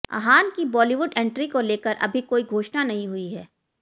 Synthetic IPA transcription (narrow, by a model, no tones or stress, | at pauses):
a̰ɦaːnkibɔːliʋʊɖɛ̃ɳʈɾikoleːkəɾʔɐ̰bʱikoːiɡʱoːʃnanɐɦĩɦʊiɦɛː